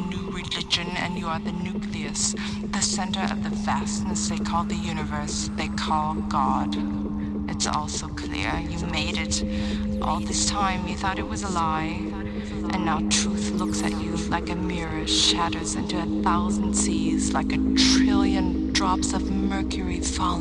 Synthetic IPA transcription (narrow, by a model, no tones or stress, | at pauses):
nʉɹɨlɪd͡ʒɨ̃nɨ̰̃njəə˞ðɨnʉkʰliɨs | ðɨsɛ̃ntə˞ʔʌ̰vðɨvæsnəsðeɪkʰɔlˠd̪̚ðɨjʉñɨvɜ˞s | ðeɪkʰɔlˠɡɑd | ʔɨtsɔ̰lˠsoʊkʰl̥ɪ̰ɹjɨmeɪɾɪɾ | ʔɔ̰lˠðɪstʰãɪ̃mjɨθɔɾɨt̚wʌzəlaɪ | ʔɨ̃nːaʊtʰɹ̥ʉθlʊksɨ̰t͡ʃɨlaɪkɨmjɪɹɨʃæɾə˞zɪ̰̃ntʉɨθaʊzn̩dsizlaɪkɨtʰɹ̥ɪlˠjɨ̃nd̥ɹɑpsʌvmɜ˞kʰjə˞i̥ | fɑ